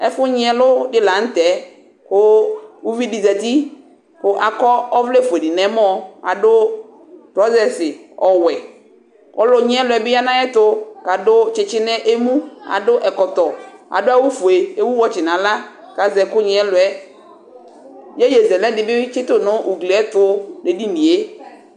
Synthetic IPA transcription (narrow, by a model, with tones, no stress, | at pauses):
ɛ˦fʊ˦ɲɪ˦ɛ˨lʊ˦dɪ˦la˨˦n̩˦tɛ˨˦ | kʊ˦u˦vi˦di˨zɛ˨ti˦ | kʊ˨ʔa˨kɔ˦ɔ˦vle˦fʊ˨e˨di˨nɛ˨˦m˦ɔ˦a̰˨dʊ˦ | tɾɔ˦zɛ˨sɪ˨ɔ˨wɛ˨ | kɔ˦lʊ˦ɲɪ˦ɛ˦lʊ˨ɛ˨bɪ˦ja˦nã˦ɛ˦tʊ˦ka˨dʊ˦t͡ʃɪ˨t͡ʃɪ˦nɛ˦ʔe˦mũ˦a̰˨dʊ˦ʔɛ˨kɔ˨tɔ˨a̰˨dʊ˦a˦wu˦fu˨e˨e˦wu˦wɔ˨t͡ʃɪ˨nã˨la˦ | ka˨zɛ˨kʊ˦ɲɪ˨ɛ˦lʊ˨ɛ˦ | je˦je˨zɛ˨lɛ˦dɪ˨bɪ˦t͡ʃɪ˦tʊ˦nʊ̃˦ʔu˨ɡli˨ɛ˦tʊ˦de˨di˦n̩˨di˨e˦